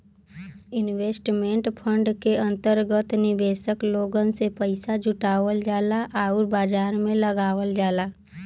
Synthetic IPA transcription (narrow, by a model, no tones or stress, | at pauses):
ɪnʋeːsʈmẽɳʈpʰə̃ɳɖkeə̃nt̪əɾɡət̪nɪbeːsəkloːɡənsepəɪsad͡ʒʊʈaːʋəld͡ʒaːlaʔaːʊɾbaːd͡ʒaːɾmẽləɡaːʋəld͡ʒaːlaː